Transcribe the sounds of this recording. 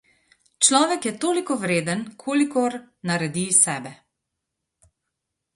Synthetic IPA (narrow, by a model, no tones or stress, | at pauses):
t͡ʃlɔːʋɛkjɛt̪oːlikɔʋɾeːd̪ənkʰoːlikɔɾ | naɾɛd̪isɛːbɛ